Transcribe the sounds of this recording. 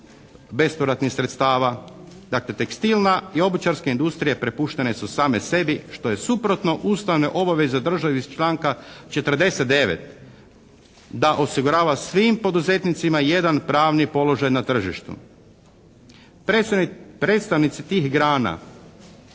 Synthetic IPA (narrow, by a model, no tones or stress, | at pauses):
be̞spoɾat̪nixsɾe̞t̪st̪aːʋad̪akle̞t̪e̞kst̪ilnaio̞but͡ʃaɾskaind̪ust̪ɾijepɾe̞puʃt̪e̞ne̞susaːme̞se̞biʃt̪o̞je̞supɾo̞t̪no̞ʔuːst̪aʋne̞ʔo̞baʋe̞zed̪r̩ʒaʋist͡ʃlaːŋkat͡ʃe̞t̪r̩d̪e̞se̞t̪̚d̪e̞ʋḛt̪ | d̪aʔo̞siɡuɾaːʋasʋimpo̞d̪uze̞t̪nit̪simaje̞d̪anpɾaːʋnipo̞lo̞ʒajnat̪r̩ʒiʃt̪ṵ | pɾeːt̪st̪aʋnit̪sit̪iːxɡɾaːna̰